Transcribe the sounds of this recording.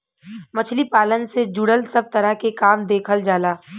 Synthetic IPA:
mɐt͡ʃʰlipaːlənsed͡ʒuɽəlsɐb̚t̪ɐɾəkekaːmd̪eːkʰəld͡ʒaːlaː

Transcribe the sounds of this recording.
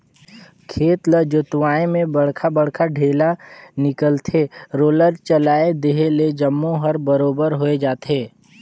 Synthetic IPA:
kʰeːt̪ləd͡ʒʊt̪ʋaːẽmẽbɐɽkʰabəɽ̤kʰaɖʱeːlanɪkəlt̪ʰeɾoːləɾt͡ʃəlaːed̪eɦeled͡ʒɐmːõɦəɾbəɾoːbəɾɦoːed͡ʒaːt̪eː

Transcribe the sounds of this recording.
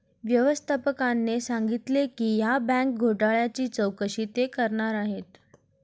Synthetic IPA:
ʋjəʋəst̪ʰapəkanːesaŋɡit̪lekiːjabɛ̃ŋk̚ɡʱoʈaɭjat͡ɕiːt͡səwkəɕiːt̪ekəɾɳaɾaɦet̪

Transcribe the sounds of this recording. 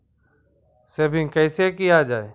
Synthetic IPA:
seːbʱɪ̃ːŋkəːseːkɪjaːd͡ʒaːeː

